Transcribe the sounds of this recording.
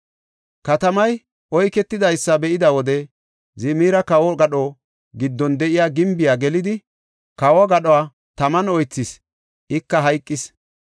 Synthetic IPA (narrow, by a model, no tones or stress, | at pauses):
kɐt̪ɐmɐj | ʔɔjkɛt̪ːɪd̪ɐjsːɐbɛʔɪd̪ɐwɔd̪ɛ | zɪmiːɾɐkɐwɔɡɐɗɔ | ɡɪd̪ːɔnd̪ɛʔɪjaːɡɪmbɪjaːɡɛlɪd̪ɪ | kɐwɔɡɐɗɔwaː | t̪ɐmɐnɔjt͡sːɪs | ʔɪkːɐɦɐjkʼːɪs